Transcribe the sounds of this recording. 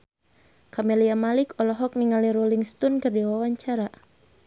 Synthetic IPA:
kameliamalikɔlɔɦɔk̚niŋaliɾoliŋst̪ɔnkɨrdiwawaɲt͡ʃaɾa

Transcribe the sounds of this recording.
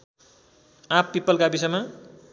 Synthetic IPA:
ãpːipːʌlkabisʌjma

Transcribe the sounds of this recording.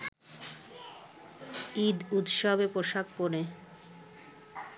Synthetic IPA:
id̪ut̪ʃɔbepoʃakːoɾe

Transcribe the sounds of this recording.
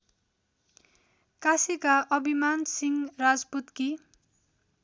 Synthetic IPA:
kasikaʔʌbʱimansiŋrad͡zput̪ki

